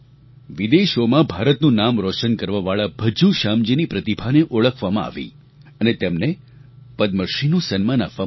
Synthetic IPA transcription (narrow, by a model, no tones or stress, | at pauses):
ʋid̪eʃomãbʱaɾət̪nũnamɾoʃənkəɾʋaʋaɭab̥ʱəd͡ʒuʃamd͡ʒinipɾət̪ibʱaneʔoɭəkʰʋamãa̰ʋḭ | ənet̪emne | pəd̪məɾʃinũsənmanakʋa